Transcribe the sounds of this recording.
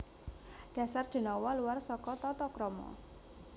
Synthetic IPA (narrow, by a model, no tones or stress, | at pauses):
ɖ̥ä̤sard̪̥e̤nɔwɔluwarsɔkɔt̪ɔt̪ɔkɾɔmɔ̰